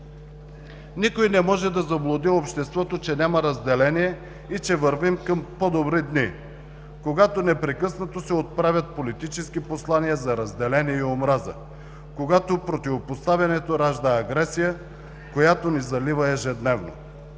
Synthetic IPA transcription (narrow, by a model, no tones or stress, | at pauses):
nikojnɛmɔʒɛd̪ɐzɐblˠod̪iopʃt̪ɛst̪vɔt̪ot͡ʃɛnʲaməɾɐzd̪ɛlɛniɛ | it͡ʃɛvəɾvimkəmpod̪obɾid̪ni | koɡat̪onɛpɾɛkɤsnɐt̪osɛot̪̚pɾavʲɐt̪̚polit̪it͡ʃɛskiposlˠaniəzɐɾɐzd̪ɛlɛniɛiomɾazə̰ | koɡat̪opɾot̪ivopost̪avʲjɐnɛt̪oɾaʒd̪əɐɡɾɛsijə | kojat̪onizɐlivəɛʒɛd̪nɛvno̰